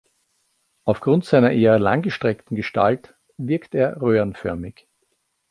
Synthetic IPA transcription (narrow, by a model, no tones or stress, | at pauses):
ʔaʊfɡ̥ʁʊntz̥aɪnɐʔeːɐla̰ŋɡəʃtʁ̥ɛktn̩ɡəʃta̰lt | vɪɐkteːɐʁøːənfœɐmɪç